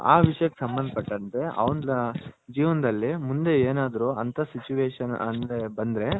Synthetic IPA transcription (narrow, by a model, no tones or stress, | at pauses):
aːʋiʂɐjɐkesɐmbɐnd̪ɐpɐʈːɐnt̪e̞ɐ̰ʋɐnɐd͡ʒiːʋɐnɐd̪ɐlːimund̪e̞eːnaːd̪ɐɾuɐnt̪ʰɐsit͡ʃuʋeːʂɐnɐ̰nd̪ebɐnd̪ɾe̞